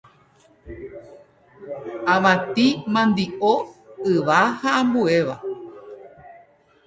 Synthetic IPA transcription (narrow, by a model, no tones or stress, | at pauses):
ãʋãt̪ĩmãnd̪iʔoɨʋahaãmbue̞ʋa